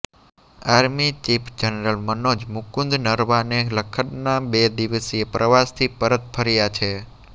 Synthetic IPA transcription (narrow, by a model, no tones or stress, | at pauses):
aɾmit͡ʃipʰd͡ʒənɾəlmənod͡ʒmʊkũnd̪nəɾʋaneləkʰənnabed̪iʋəsiepɾʔəʋast̪ʰipəɾət̪pʰəɾijat͡ʃʰe